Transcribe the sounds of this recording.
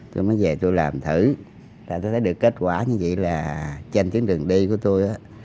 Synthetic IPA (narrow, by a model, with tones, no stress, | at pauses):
t̪o˧jmɔː˨˦jve˨˩t̪o˧jlaː˨˩mt̪ʰɨ˧˩ | zaː˨˩t̪o˧jt̪ʰə˨˦jɗɨ˨˩əkːe˦˥t̚kwaː˧˩ɲɨ̰˧˦ŋvḭ˧˨laː˨˩t͡ɕe˧nt̪i˨˦əŋɗɨ˨˩əŋɗi˧ku˧˩˦ət̪o˧jʔaː˨˦